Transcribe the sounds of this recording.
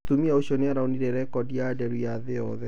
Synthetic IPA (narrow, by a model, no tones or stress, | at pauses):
t̪umiaoɕɔneaɾaoniɾɛɾɛkɔdiadɛɾwaðeɔðɛ